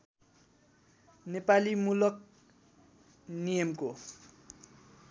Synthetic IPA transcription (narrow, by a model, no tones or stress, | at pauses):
nepalimulʌk̚ | nijʌmko